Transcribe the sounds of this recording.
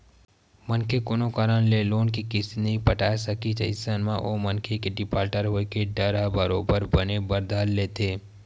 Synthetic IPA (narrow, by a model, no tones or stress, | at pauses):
mɐnkʰekʊnõkaːɾənleloːnkikɪsneɦĩpɐʈaːsɐkit͡ʃɐɪsənmãʔomɐnkʰekeɖɪpaːɾʈəɾɦoːekeɖɐɾabəɾoːbəɾbənebɐɾd̪aːlːeːt̪ʰeː